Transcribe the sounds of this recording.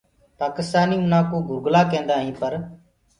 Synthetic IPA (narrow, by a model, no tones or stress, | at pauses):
paːkɪst̪aːniːmʊnaːkõːɡʱʊɾɡlaːkẽːnd̪aːɦĩːpəɾ